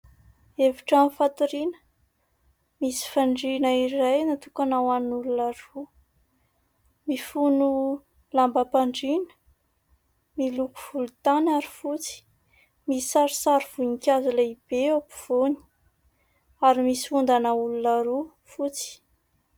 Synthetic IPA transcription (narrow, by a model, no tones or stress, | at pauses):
eviʈ͡ʂanfat̪uɾinə̥ | misi̥faɳɖ͡ʐinaiɾajnat̪ukanawanulunaɾu | mifunu | lambəpaɳɖ͡ʐinə̥ | miluku̥v̥ulut̪anaɾi̥fut͡si̥ | mii̥saɾisaɾiv̥uɲikʲazilaib̥eapu̥v̥oni̥ | aɾimisi̥fund̪anəulunaɾu | fut͡si̥